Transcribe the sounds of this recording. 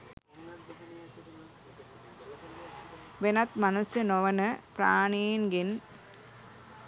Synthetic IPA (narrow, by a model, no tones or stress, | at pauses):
ʋenɐt̪mɐnusjɐnoʋɐnɨpɾaːɳiːnɡin